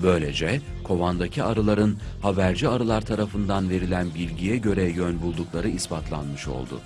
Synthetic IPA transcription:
bø̞jlʲe̞̰d͡ʒɛ | kʰo̞vand̪acʰiaɾɯlˠaɾɯnhabæɾd͡ʒiaɾɯlˠaɾt̪ʰaɾafɯnd̪anve̞ɾilʲænbilʲɟijɛɟø̞ɾɛjønbulˠd̪uklˠaɾɯispʰat̪ʰlˠa̰nmɯʃo̞̰lˠd̪ʊ̰

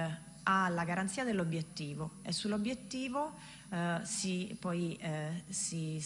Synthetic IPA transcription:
alːaɡaɾant̪siːad̪elːobjet̪ːiːvoḛsːulobjet̪ːiːvo | sipɔj | si

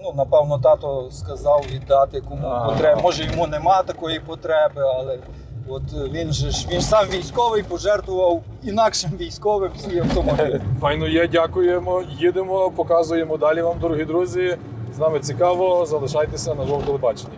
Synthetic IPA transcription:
nunɐpɛwnɔt̪ɑt̪ɔskɐzɑwʋʲid̪ːɑt̪ɪjɐkumʊpɔt̪ɾɛmɔʒɛjɔmunɛmɑt̪ɐkɔjipɔt̪ɾɛbɪɑlˠɛ | ɔt̪ʋʲinʒɛʃʋʲinsɑmʋʲijsʲkɔʋɪjpɔʒɛrt̪ʋʊʋɐw | inɑkʃɪmʋʲijsʲkɔʋɪmsʲijɐwt̪ɔmɔbilʲfɑjnɔjɛdʲakʊjemɔjid̪emɔpɔkɑzʊjemɔd̪ɑlʲiʋɑmd̪ɾuɦid̪ɾuzʲi | znɑmɪt͡sʲikɑʋɔzɐlˠɪʃɑjt̪esʲɐnɐd̪ɔɔt̪elˠebɑt͡ʃenʲːɐ

